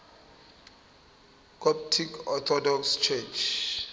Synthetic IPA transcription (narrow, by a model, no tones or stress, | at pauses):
kʼɔp̚tʰikɔt̪ʰɔdɔkst͡ʃʰɛt͡ʃʰ